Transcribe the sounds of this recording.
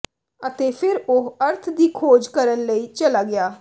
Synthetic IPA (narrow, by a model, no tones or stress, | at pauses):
ət̪eːpʰɪɾʊəɾt̪ʰd̪iːkʰoːd͡ʒkəɾənləiːt͡ʃəlaːɡɪaː